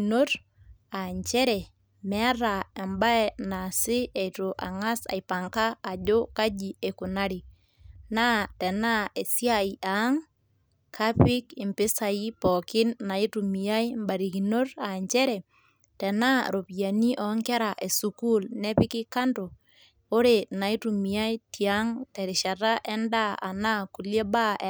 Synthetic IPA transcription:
no˦ɾ | a˨ɲt͡ʃɛ˦ɾɛ˨ | mɛ˦a˦ɾa˨e˨mba˦ɛna˨sɪ˦e˨to˨ʔa̰˨ŋa˦sa̰˨i˨pa˨ŋkaː˦˨d͡ʒo˦ka˦d͡ʒi˨e˨ku˨na˦ɾi˨ | na˦tɛ˨na˦e˨sja˦i˨ʔa˨˦ŋ | kʰa˦pi˦kɪ˨mpɪ˦sa˨i˦pɔ˨kɪ˦nːa˨i˦tu˨mi˨a˦jmba˨ɾi˨ki˨no˦ɾa˨ɲt͡ʃɛ˦ɾɛ˨ | tɛ˨na˦ɾo˨pi˨ja˨ni˦ʔɔ˨ŋkɛ˦ɾa˨ʔe˨suku˦lnɛ˦pɪ˦kɪ˦ka˦nto˨ | o˦ɾe˨na˨i˦tu˨mi˨a˦i˦tia˦ŋtɛ˨ɾɪ˨ʃa˨ta˦ʔɛ˦nda˦a̰˨na˦ku˨lje˦ba˦

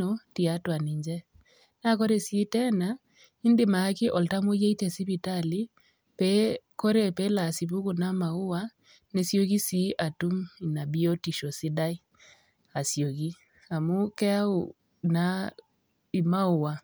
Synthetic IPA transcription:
o˨ti˨a˦twa˨ni˨ɲd͡ʒɛ˦ | na˦ko˦ɾe˨si˦tɛ˦na˨ | i˦ndɪ˨ma˨a˦kɪ˦ʔɔ˨lta˦mo˦je˦i˦tɛ˨si˦bi˨ta˦li˦ | pɛ˦ko˦ɾe˨pe˦la˨si˨b̬u˦ku˨na˦ma˨ʊ˦wa˦ | ne˨˦sjo˦ki˦si˦ʔa˨tu˦mi˨na˨bi˦o˦ti˨ʃo˨sɪ˦da˦i˦ | a˨sjo˨ki˦ | a˨mu˦kɛ˦a˦u˨ | na˦ | i˨ma˦ʊ˨wa˨

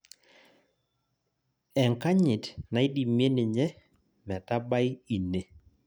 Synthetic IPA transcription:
ɛ˨ŋka˦ɲɪ˨tna˨ɪ˦di˨mje˦nɪ˨ɲɛ˦ | mɛ˨ta˦ba˦ɪ˦i˨ne˨

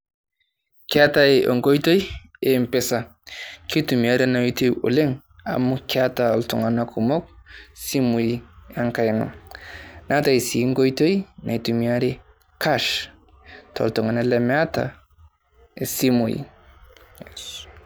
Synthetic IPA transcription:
kja˦ta˦e˨ʔo̰˨ŋɡo˦jto˦j | e˨mpe˦sa˨ | ki˦tu˨mi˨a˦ɾe˦na˨˦to˦jṵ˨le˦ŋ | a̰˨mukja˦ta˨ɔ˨ltṵ˨ŋa˨na˦kʰu˨mo˦k̚si˦mu˨jia˦ŋka˦jna̰˨ | na˦ta˨i˨si˨˦ŋɡo˦jto˦jna˨i˨tu˨mi˨a˦ɾe˦ | kʰa˦ʃ | tʰo̰˨ltu˨ŋa˨na˦lɛ˨mea˦ta̰˨ | e˨si˦mu˨jḭ˨

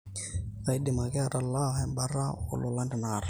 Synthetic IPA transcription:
a˨jdɪ˨ma˨kɪ˦a˨ɾa˨lːa˦ɦɛmba˦ɾa˦ʊ̰˨lʊ˨la˦ndɪ˨naːɾ

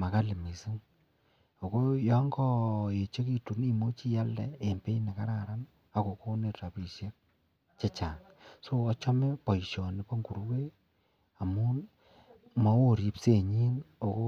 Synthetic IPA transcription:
ma˨ka˦lɪ˨mi˨si˦ŋ | o˨ko˦jɔ˦ŋɡɔ˦je˨t͡ʃe˦ki˦tu˨ni˦mo˦t͡ʃi˦ja˦ldɛ˨e˨mpe˦i˦ne˨ka˦ɾa˨ɾa˦n | a˨ko˨ko˦ne˨ta˨pi˨se˦k̚ | t͡ʃe˦t͡ʃaː˨ŋ | soː˦t͡ʃɔ˦me˦pɔ˨i˨ʃjɔ˨ni˨˦po˦ŋɡu˨ɾu˦ke˦ | a˨mu˦n | mɔ˦wo˦ɾi˨˦pse˦ɲi˦no˨ko˦

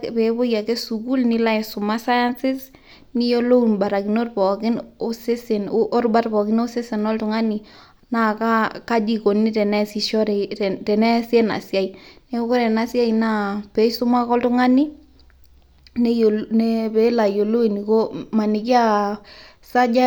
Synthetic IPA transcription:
pe˨bo˦ja˨ke˦su˨ku˦lni˦la˦ɛ˨sʊ˨ma˦sa˦ja˦nsɪ˦s | ni˦jo˦lo˦u˨nba˨ɾa˨ki˨no˦rpɔ˨kɪ˦no˦se˦sɪ˨noʔo˦rba˦tpɔ˨kɪ˦no˦sɪ˦se˨nɔ˦ltʊ˨ŋa˦ni˨ | na˦ka˦ka˦d͡ʒi˨ko˨ni˦tɛ˨nɛ˦si˨ʃɔ˦ɾɛ˨tɛ˨nɛ˦sjɛ˦na̰˨sja˦i˨ne˦o˦ko˦ɾɛ˨na˨sja˦ina˦˨pɛ˦sʊ˦ma˦kɔ˦ltʊ˦ŋa˦ni˦ | ne˦onepe˨˦la˨jo˨lo˦i˨ni˨ko˦ma˨ni˨ki˦a˦˨ | sa˦d͡ʒa

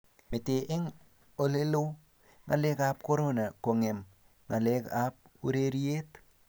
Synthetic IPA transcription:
mɪ˨tɪ˨ʔɪ˦ŋ | o˨le˦lo˦ | ŋa˨le˦kap̚ko˦ɾo˦na˨ko˨ŋe˨m | ŋa˨leka˦p̚ | u˦ɾe˦ɾi˦e˦t

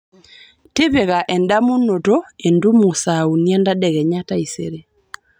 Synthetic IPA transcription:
te˦βe˨ɣa˨ʔɛ˨nda˦mo˦no˨to˦e˨ndu˦mo˨sa˨u˨ni˦ɛ˦nda˦dɛ˨ɣɛ˨ɲa˦ta˦i˨sḛ˨ɾe˦

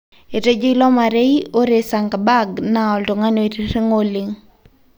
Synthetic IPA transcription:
e˨te˦d͡ʒi˦lɔ˦ma˨ɾe˦i˦o˦ɾe˨sa˨ŋɡa˨ba˦ɡna˨ɔ˨ltʊ˨ŋa˦no˨e˨te˨te˦ŋo˦li˨ŋ

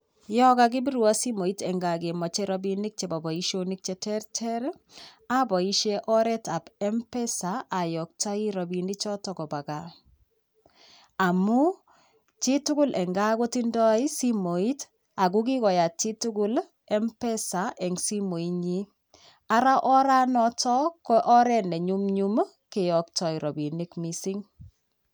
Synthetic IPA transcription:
jɔ˦ka˦ɡ̬i˦bi˦ɾu˨a˦si˦mo˨i˦tɛ˨ŋɡa˨ɡe˨mɔ˨t͡ʃe˦ɾɔ˦bi˦ni˦k̚t͡ʃe˨ba˨bɔ˨i˦ʃo˦ni˦k̚t͡ʃɛ˨tɛ˦ɾtʰɛ˦ɾ | a˦bɔ˨i˦ʃe˦ʔɔ˦ɾɛ˦ta˨bɛ˦mpɛ˦sa˨a˨jɔ˨k̚t͡ʃa˦i˦ɾɔ˨bi˨ni˦t͡ʃɔ˦tɔ˨kɔ˨ba˨ɡa˨ | a˨mu˦ | t͡ʃi˦tʊ˦ku˦lʔɛ˨ŋɡa˦ko˦ti˦ndɔ˦i˦si˦mo˨i˦t | a˨ɡ̬ʊ˦ki˦kɔ˨ja˨t͡ʃi˦tu˦ɡʊ˦l | ɛ˦mpɛ˦saʔɛ˨ŋsi˦mo˨i˦ɲi˦ | a˦ɾa˦ʔɔ˦ɾa˦nɔ˦tɔ˦kɔʔɔ˦ɾɛnɛ˨ɲu˦mɲu˦m | kɪ˨jɔ˨k̚tɔ˦iɾɔ˨bi˨ni˦kmisi˦ŋ

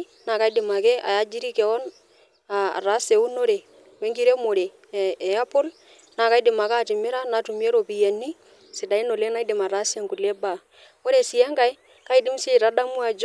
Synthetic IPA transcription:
na˨ka˦i˦dɪ˨ma˨kɛ˦ʔa̰˨ja˦d͡ʒi˦ɾi˦kɛ˨ɔ˦n | a̰˨ɾa˨˦se˨u˦no˦ɾe˨ | we˦ŋɡi˦ɾe˦mo˨ɾeː˨ | ja˦pʊ˦l | na˨ka˦i˦dɪ˨ma˨ka˦˨tɪ˨mɪ˦ɾa˦na˨tu˨m˦e˦ɾo˨pi˨je˨ni˦ | sɪ˨da˨i˦no˨le˦na˦ɪ˦dɪ˨ma˨ɾa˦sɛ˦˨ŋku˨le˦ba˦˨ | o˦ɾe˨sɪ˨a˦ŋka˦j | ka˦i˦dɪ˦msi˦˨ɾa˨˦da˦mu˦a˨d͡ʒ

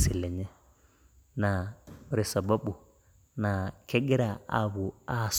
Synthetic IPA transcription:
si˨lɛ˨ɲɛ˦ | na˨ɾi˨sa˨ba˦ɓu˨ | na˨kʰɛ˦ɡɛ˦ɾa˨a̰˦βu˨a˨s

